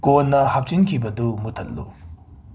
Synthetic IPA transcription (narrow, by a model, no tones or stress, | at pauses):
konːɐhɐp̚t͡ʃinkʰibɐdumut̪ʰɐlːṵ